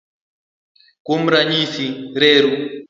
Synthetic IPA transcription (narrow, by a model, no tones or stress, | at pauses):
kom̩ɾaɲisiɾeːɾu